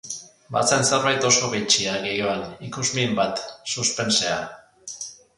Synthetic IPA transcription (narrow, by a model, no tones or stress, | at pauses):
ba̰t͡senseɾβajt̪o̞so̞βit͡ʃiaɣejoanikuzmiembat̪suspe̞nse̞a